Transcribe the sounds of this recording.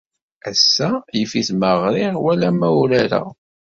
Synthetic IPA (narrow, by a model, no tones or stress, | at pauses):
æsːæjəfiθməʁɾɪʁwælæmæwlæɾæ̰